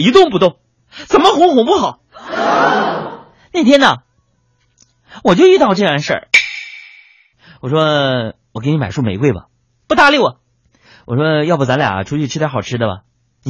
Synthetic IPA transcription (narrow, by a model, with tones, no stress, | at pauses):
i˧˥t̪ʊ˥˩ŋp̬u˧˥t̪ʊ˥˩ŋ | t͡sə˨˩nmə˦xʊ˧˥ŋxʊ˨˩ŋp̬u˥˩xɑ˨˩˦ | ne˥˩ɪt̪ʰjɛ˥nə˨ | wɔ˨˩t͡ɕjo˥˧ʊy˥˧t̪ɑ˥˧ʊʈ͡ʂɤ˥˧˩ja˥˧nʂə̰˞˥˩ | wɔ˨˩ʂwɔ˥ | wɔ˨˩kni˧˥ma˨˩ɪʂu˥˩me˨˩ɪkwe˥˩ɪbɐ̰˨˩ | pu˥˩t̪a˥˧li˥˩ʊɐ˩ | wɔ˨˩ʂwɔ˥jɑ˥˧pu˥˩t͡sa˧˥nla˨˩ɐ̰˧˩ʈ͡ʂʰu˥t͡ɕʰy˥˩ʈ͡ʂ̩̪ʰ˥a˧˥xɑ˨˩ʊʈ͡ʂʰɻ̩˥d̪ə˨bɐ̰˩ | n˧